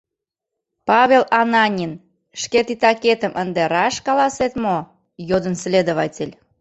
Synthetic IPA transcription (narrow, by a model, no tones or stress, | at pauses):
pɑβʲelɑnɑnʲin | ʃket̪it̪ɑket̪əmʔənd̪eɾɑʃkɑlɑset̪mo | jod̪ənslʲed̪oβɑtʲelʲ